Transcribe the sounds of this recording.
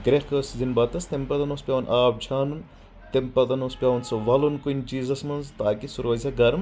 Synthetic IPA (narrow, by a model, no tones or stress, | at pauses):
ɡɾexkɐːszinbɐt̪ɐst̪empɐt̪ɐnospʲaːʋnʔaːp̚d͡ʒʰaːnun | t̪empɐt̪ɐnospʲaːʋnsɐʋɐlunkuint͡ʃiːzɐsmɐnzt̪aːkisuɾoɐzʲɐɡɐɾm